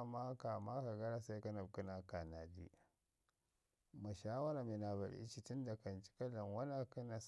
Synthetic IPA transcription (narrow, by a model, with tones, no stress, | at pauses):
ma˦ka˨ma˦ka˨ɡa˦ɾa˦sa˦jka˦na˨b̚ku˦na˨ka˨na˨dḭ˦ | ma˨ʃaː˦wɐ˦ɾa˨me˨na˨ba̰˨ɾḭ˦t͡ʃi˨tu˦nda˨kɐ˨nt͡ʃi̥˦kɐ˦lɐ˨ŋwɐ˦na˨ka˦na˨s